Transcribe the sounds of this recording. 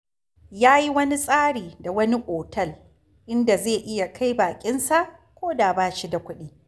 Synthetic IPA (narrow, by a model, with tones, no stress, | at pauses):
jaː˦ji˦wɐ˦ni˦sʼaː˦ɽiː˨da˨wɐ˦ni˦kʷʼoː˨tɐ˦˨l | ʔɪ˦nda˨zeː˦˨ʔɪ˦ja˨kʰa˦jbaː˨kʲʼɪ˦nsa˦˨ʔkʷoː˦da˨baː˦ʃi˦da˨kʷʊ˦ɗiː˦